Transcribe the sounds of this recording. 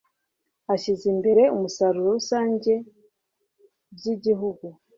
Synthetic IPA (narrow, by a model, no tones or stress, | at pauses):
aʃizimbe̞ɾe̞umusaɾuɾousaːɲɟe̞ | bjiɟiɦuɡu